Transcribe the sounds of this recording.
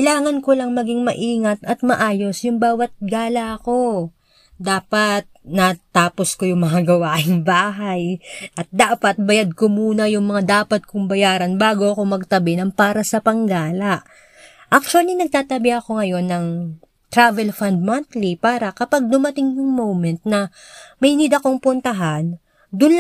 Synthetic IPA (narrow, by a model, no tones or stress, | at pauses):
kɐjlaːŋɐnkolɐŋmɐɡɪŋmɐʔiːŋɐt̪ɐt̪̚mɐʔaːjo̞sjʊŋbaːwɐt̪̚ɡaːlɐɐko̞ | d̪aːpɐt̪̚nɐt̪aːpo̞sko̞jʊŋmɐŋaɡɐwaːʔɪŋbaːɦajʔɐt̪̚d̪aːpɐt̪̚bɐjad̪̚komuːnɐjʊŋmɐŋad̪aːpɐt̪̚kʊŋbɐjaːɾɐnbaːɡoɐko̞mɐɡ̚t̪ɐbɛnɐŋpaːɾɐsɐpɐŋɡaːlɐʔ | ʔak̚t͡ʃwɐlinɐɡ̚t̪aːt̪ɐbɛʔɐko̞ŋɐjo̞nːɐŋ | t̪ɾavɛlfɐnd̪̚mɐnt̪lipaːɾɐkɐpaɡ̚d̪ʊmɐt̪ɪŋjʊŋmowmɛnt̪̚nɐ | mɐɪnɪd̪ɐko̞ŋpʊnt̪ɐɦan | d̪ʊnl